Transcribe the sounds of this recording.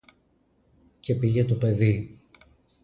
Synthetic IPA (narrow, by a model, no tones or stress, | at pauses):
ce̞piʝe̞t̪ope̞ði